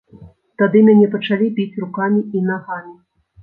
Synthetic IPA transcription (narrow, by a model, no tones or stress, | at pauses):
t̪ad̪ɨmʲanʲɛpɐt͡ʂalʲipʲit͡sʲrukamʲiinaɣamʲi